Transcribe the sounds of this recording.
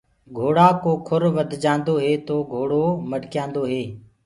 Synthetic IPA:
ɡʱoːɽaːkoːkʰʊɾʋəd̪ʱd͡ʒãːnd̪oːɦeːt̪oːɡʱoːɽoːməɖkjãːnd̪oːɦeː

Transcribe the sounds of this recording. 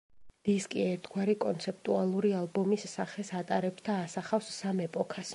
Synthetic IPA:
d̪̥iskʼiɛɾt̪ʰɡwaɾikʼɔnt̪sʰɛp̚ʰt̪ʼualˠuɾialˠbɔmisːaχɛsat̪ʼaɾɛpsd̪ʰaːsaχafsːamɛpʼɔkʰas

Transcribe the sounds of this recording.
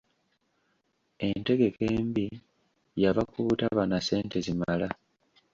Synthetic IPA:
e̞nte̞ɡe̞ke̞ːmbi | jaβakuːtaβanase̞ːnte̞zimala

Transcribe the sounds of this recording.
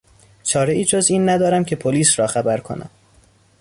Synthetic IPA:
t͡ʃʰɒːɾe̞ʔiːd͡ʒoziːnːæd̪ɒːɾæmcʰe̞pʰoliːsɾɒːxæbæɾkʰo̞̰nʔæ̰m

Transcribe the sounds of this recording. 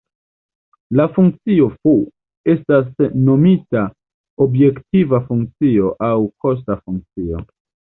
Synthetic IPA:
lafuŋkt͡sio̞fu | e̞stasno̞mita | obje̞ktivafuŋkt͡sio̞ʔawko̞s̬tafuŋk̚t͡sio̞̰

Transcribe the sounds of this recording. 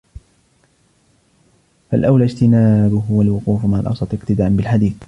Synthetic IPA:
falʔawlaːd͡ʒt̪ɪnaːbʊɦʊwalwʊquːfmaʕa̰lʔɑ̰wsˤɑt̪ˤɨqt̪ɪd̪aːʔanbɪlħad̪iːθ

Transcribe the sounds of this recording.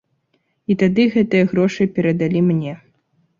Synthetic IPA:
it̪ad̪ɨɣɛt̪ɨjɐɣɾɔʂɨpʲɛɾɐd̪alʲimnʲɛ

